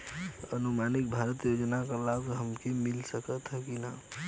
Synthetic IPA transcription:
ənumanik̚bʱaɾət̪jod͡ʒnakalaɡɦəmkemilsəkət̪ɦɛkina

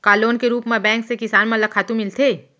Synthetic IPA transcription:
kaːloːnkeɾuːpmẽbɛ̃ːŋksekɪsaːnmãlɐkʰaːt̪ũmɪlt̪ʰeː

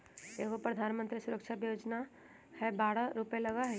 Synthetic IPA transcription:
eːɦopɾəd̪ʱaːnmə̃nt̪ɾisʊɾəkʃʰabjoːd͡ʒna | hɛbaːɽaɾupelɐɡaɦɛ

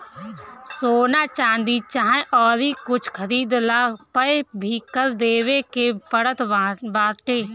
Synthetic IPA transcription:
soːnaːt͡ʃãːnd̪iːt͡ʃaːɦʔɔːɾiːkʊt͡ʃʰkʰəɾiːd̪laːpəebʱiːkəɾd̪eːʋeːkeːpəɽət̪baːʈeː

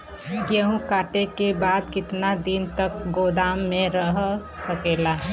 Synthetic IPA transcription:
jeɦũkaːʈekebaːd̪kɪt̪nad̪int̪ək̚ɡoːd̪aːmːẽɾəɦ | səkeːla

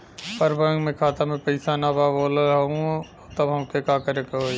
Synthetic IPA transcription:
pəɾbəmẽkʰaːt̪amẽpɐɪsanabaːboːləlɦɐɦũ | t̪əbʱɦɐmkekaːkəɾekəɦoi

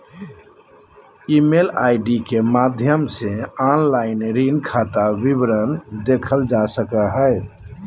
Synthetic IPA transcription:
imelaɪɖikemad̪ʱjəmseanlaɪnɾinkʰat̪abibɾənd̪ekʰəld͡ʒasəkaɦəe

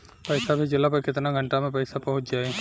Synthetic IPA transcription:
pɐɪsabʱid͡ʒɪlapɐɾkɪt̪naɡʱɐ̃ɳʈamẽpɐɪsapɐɦʊt͡ʃ̪d͡ʒaːe

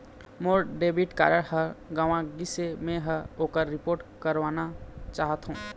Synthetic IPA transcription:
moːɾɖebiʈka̰ːɾəɽhəɾɡaːʋãɡisemẽɦəoːkəɾːɪpoːɾʈkəɾʋaːnat͡ʃaːɦət̪ɦũː

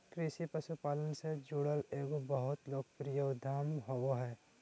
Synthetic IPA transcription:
kɾɪʃipəsupaːlənsed͡ʒuɽəleːɡobəɦʊt̪loːkpɾijəd̪ʱaːmɦoʋoɦɛː

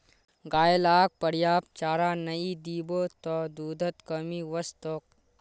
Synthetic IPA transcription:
ɡaːjəlaːk̚pəɽjaːp̚t͡ʃaːɾanɐid̪iːbot̪ɔd̪uːd̪ʱət̪kəmiʋəst̪ok̚

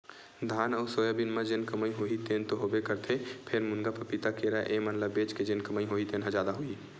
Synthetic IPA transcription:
d̪ʱaːnɔːɾsoːjabɪnmə̃d͡ʒɪnkəməiɦoːit̪eːnt̪oɦoːbekəɾt̪ʰepʰɪɾmʊnɡapəpit̪akeɾaʔeːmɐnləbːeːt͡ʃked͡ʒenkɐməiɦoit̪eːnɦə̃d͡ʒaːd̪aɦoi

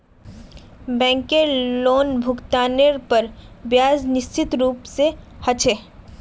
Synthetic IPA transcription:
bɛ̃ːŋkeloːnbʱʊkt̪aːneɾpɐɾbjaːznɪst͡ʃɪt̪ɾuːpsehɐt͡ʃʰeː

